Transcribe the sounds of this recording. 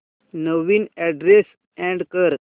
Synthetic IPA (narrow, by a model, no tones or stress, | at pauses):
nəʋiːnɛɖɾes | ɛ̃ɳɖkəɾ